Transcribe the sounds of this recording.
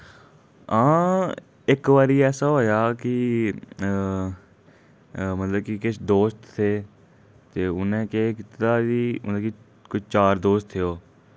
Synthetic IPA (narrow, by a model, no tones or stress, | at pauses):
ãː | ɪkʋaːɾiːɛːsaːɦoːjaːkɪ | mət̪ləb̚kɪkɪt͡ʃʰd̪oːst̪t̪ʰeː | t̪eːʊnẽːkekɪt̪aːd͡ʒiːʊ̰nd̪aːki | kʊt͡ʃʰt͡ʃaːɾd̪oːst̪ʰeoː